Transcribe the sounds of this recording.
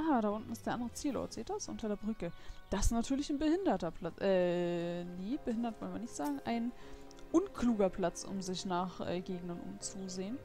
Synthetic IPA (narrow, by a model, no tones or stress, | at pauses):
ʔaaːɾaːʔʊntn̩ɪstd̥eːɐʔandəʁət͡siːlɔ̰ɐtz̥eːt̚d̥asʔʊ̰ntʰɐdeːɐbʁʏkəd̥asnatʰyːɐlɪçnbəhɪndɐtɐpʰlat͡sʔɛːneːb̥əhɪndɐtv̥ɔlnviːɐnɪçtz̥aːɡŋ̩ʔa̰ɪn | ʔʊnkʰluːɡɐpʰl̥at͡sʔʊ̰mzɪçnaːχʔɛ̰ːɡeːɡn̩ɐnʔʊ̰mt͡suzeːən